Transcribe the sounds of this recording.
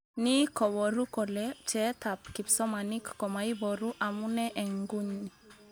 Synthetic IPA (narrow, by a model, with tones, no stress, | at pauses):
ni˦kɔ˨wɔɾu˦kɔ˨lɛt͡ʃɛta˨p̚ki˨psɔ˦mani˦kːɔ˨mai˦bɔɾu˦ʔa˨mu˦nɛʔɛ˨ŋɡu˦ɲːi˨